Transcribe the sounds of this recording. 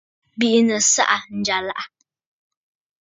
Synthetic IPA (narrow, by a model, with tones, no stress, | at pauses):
bi˦ʔnə˨sa̰˦ʔa˨n̩˨d͡ʒa˨la˦ʔa˦